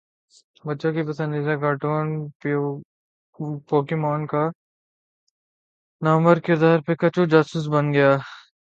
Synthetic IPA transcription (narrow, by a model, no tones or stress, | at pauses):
bɐtːʃõkipɐsə̃nd̪it̪ɛɡaːʈoːnpː | poːkemaːnka | nɐmbəɾkɪɾd̪aːɾpekɐt͡ʃud͡ʒaːsuːs̬bɐnɡɐjaː